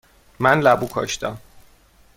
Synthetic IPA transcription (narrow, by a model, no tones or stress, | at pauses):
mænlæbukʰɒ̰ʃt̪æm